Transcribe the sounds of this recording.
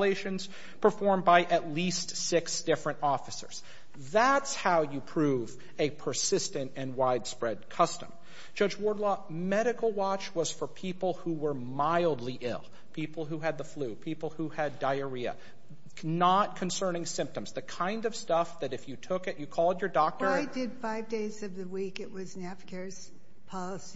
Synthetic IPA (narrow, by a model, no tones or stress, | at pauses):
leɪʃɨ̃nz̥ | pʰə˞fɔɹmbaɪʔɨtˡlistsɪksd̥ɪfɹɨ̃ntɔfɨsə̰˞z̥ | ðætshaʊjɨpʰɹ̥uv | ɨpʰə˞sɪstɨ̃ntɨ̃nwaɪd̥spɹɛd̚kʰʌstə̰̃m | d̥ʒ̥ʌd͡ʒwɔɹdˡlɔ | mɛɾɨkl̩ˠwɑt͡ʃwʌz̥fə˞pʰipl̩ˠhuwə˞maɪlˠdˡliʔɪ̰lˠ | pʰipl̩ˠɦuɨd̪̚ðəflʉpʰipl̩ˠhuɨdaɪə˞iɨ̰ | nət̚kʰɨ̃nsɜ̃˞nɪ̃ŋsɪ̃mp̚tɨ̃mz̥ðɨkʰãɪ̃ndʌv̥stʌfðɨɾɨfjɨtʰʊkɨʔjɨkʰɔlˠdə˞dɔk̚tə˞ɪdɪdfaɪvdeɪzʌvðɨwikɨʔ̚wʌznæfkʰɛ˞z̥ | pʰɑlˠəsi